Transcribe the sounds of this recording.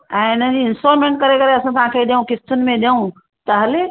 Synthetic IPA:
ɛ̃ːɪn̤əd͡ʑiːɪnsoːɾmẽɳʈ̚kɐɾekɐɾeɐsãt̪ɐɦãkʰeɗ̪jãũkɪst̪ʊnɪ̆mẽɗjãũ | t̪ɐɦɐle

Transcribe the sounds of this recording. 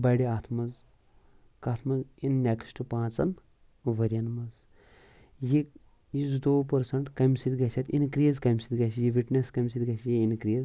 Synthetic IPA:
bɐɽiaːt̪ʰmɐz | kaːt̪ʰmɐzinːʲeksʈupãːt͡sɐn | ʋɐɾʲjɐnmɐz | jik | jizd̪oːpɐɾsɐɳʈkɐmsid̪ɡɐt͡ʃʰɐt̪inkɾiːzkɐmʲsid̪ɡɐsijiʋiʈneskɐmʲsid̪ɡɐsʰijiinkɾiːz

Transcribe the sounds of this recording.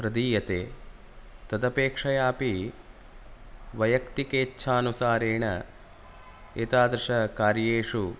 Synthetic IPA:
pɾɐd̪iːjɐt̪eː | t̪ɐd̪ɐpeːkʂɐjaːpi | ʋɐjɐkt̪ikeːtːʃʰaːnusaːɾeːɳɐ̰ | eːt̪aːd̪ɾɐʂɐkaːɾjeːʂu

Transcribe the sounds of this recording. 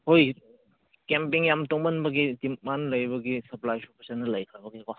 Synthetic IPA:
hoj | kempiŋjamtoŋmɐnbɐɡitimmanlɐjbɐɡisɐplajsup̚ʰɐsanːɐlɐjkʰɾɐbɐɡika

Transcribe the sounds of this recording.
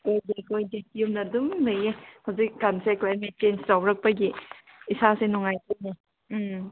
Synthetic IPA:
ojdekojdejumnɐduŋlɯjehɐwzik̚ːanseklajmet̚t͡ʃenstawɾɐk̚pɐɡi | isasenuŋajkʰene

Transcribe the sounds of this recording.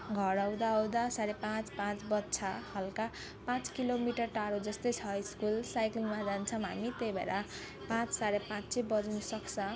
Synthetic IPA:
ɡʱʌɾawd̪aʌwd̪asaɾepãt͡spãt͡sbʌt̪ːt͡sʰahʌlka | pãt͡skilomiʈʌrʈaɾod͡zʌst̪ʌjt͡sʰʌiskulsajklmad͡zant͡sʰʌmɦa̰mit̪ejbḛɾa | pãt͡ssaɾepãt͡sebʌd͡zunʌsʌksʰʌ̃

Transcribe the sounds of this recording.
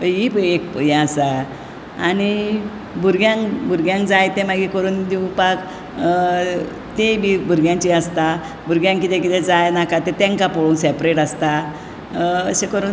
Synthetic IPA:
əipek̚pəjɛ̃asa | añi | bʱuɾɡjãŋkbʱuɾɡjãŋkd͡zajt̪ẽmaɡikəɾuːnd̪iũpak | t̪ebibʱuɾɡjãɲt͡ɕiəst̪a | bʱuɾɡjãŋkit̪ẽkit̪ɛ̃d͡zajnakat̪et̪ɛ̃ŋkapɔɽuːnsɛpɾeʈəst̪a | əsekəɾuːn

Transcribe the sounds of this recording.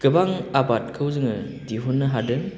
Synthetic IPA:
ɡ̥ɯbaŋabat̚kʰɯwzɯŋɯ | diɦunːɯɦadɯŋ

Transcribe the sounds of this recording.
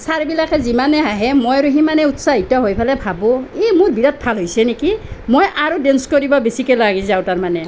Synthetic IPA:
saɹbilakɛzimanɛɦaɦɛmojɹuɦimanɛutsaɦitɔɦojpʰalɛbʱabɔemʊɹbiɹat̚pʰalɦojsɛnekimojʔaɹudenskoɹibɔbesikɛlaɡizawtaɹmanɛ

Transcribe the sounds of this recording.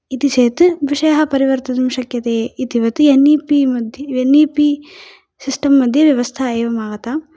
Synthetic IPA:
it̪it͡ʃeːt̪ɨʋiʂɐjɐɦɐpɐɾiʋɐɾt̪ɐd̪imʃɐkjɐt̪eːit̪iʋɐt̪ɨeniːpimɐd̪ʱjɐeniːpi | sisʈɐmːɐd̪ʱjɐʋjɐʋɐst̪ʰɐeːʋɐmaːɡɐt̪a

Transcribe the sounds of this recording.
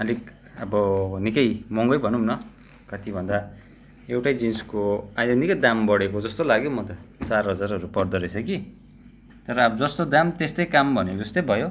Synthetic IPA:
ʌlik | ʌbʌnikʌjmʌŋɡʌjbʱʌnumnʌ | kʌt̪ʰibʱʌnd̪a | ewʈajd͡zinskoãjd̪ʌnikʌd̪ambʌɽekod͡zʌst̪olaɡjomʌt̪ʌt͡sarɦʌd͡zarʌɾupʌrd̪ʌɾesʰʌki | t̪ʌɾʌːbʌd͡zʌst̪od̪amt̪est̪ʌjkambʱʌned͡zʌst̪ʌjbʱʌjo

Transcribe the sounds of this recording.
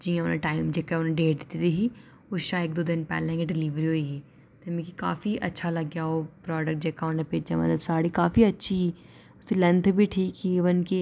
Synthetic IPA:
d͡ʒiːjãʊnẽʈaːɪmd͡ʒeːkaʊnẽɖeːʈd̪ɪt̪it̪iɦiː | ʊʃaːɪk̚d̪oːd̪ɪnpɛ̰ːlẽkeɖɪliːʋɾiɦoiːɡiː | t̪emẽkikaːfiʔɐ̰tːʃʰalɐɡjaɦoːpɾɔːɖək̚ʈ̚d͡ʒeːkaonẽpeːd͡ʒamɐ̰t̪ləbsaːɽikaːfiɐtːʃʰi | ʊsilɛ̃nt̪ʰbʱiʈʰiːkiʋənki

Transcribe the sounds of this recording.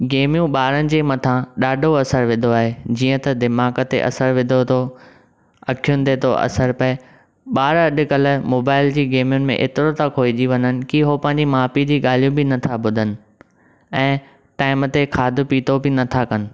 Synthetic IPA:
ɡeːmijũɓaːɾənɪ̆d͡ʑeːmɐt̪ʰãɗaːɖʱoɐsəɾʋɪ̃nd̪ʱoaːɦed͡ʑiːə̃t̪ɐd̪ɪmaːkət̪ḛʔɐ̰səɾʋɪ̃d̪ʱot̪ʰo | ɐkʰijʊnɪ̆t̪ʰeːt̪ʰo̰ʔɐ̰səɾpɐe | ɓaːɾɐɗʊ̆kɐlmoːbaːɪld͡ʑiːɡeːmijʊnɪ̆mḛ̃ʔḛːt̪ɪɾot̪akʰoːid͡ʑiʋɐɲənɪ̆kiɦopɐ̃ɦɪ̃ɲd͡ʑimaːpid͡ʑiːɠaːl̤ijũbɪnɐt̪ʰabʊd̪ʱənɪ̆ | ɛ̃ː | ʈaːɪmt̪ekʰaːd̪ʱʊ̆piːt̪ʰobɪnɐt̪ʰakɐnɪ̆

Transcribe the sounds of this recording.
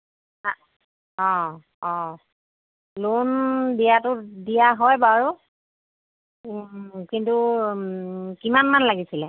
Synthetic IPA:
ɔ̃ | ɔ̃ | londijatʊdijaɦɔjbaɹu | kintu | kimanmanlaɡisilɛ

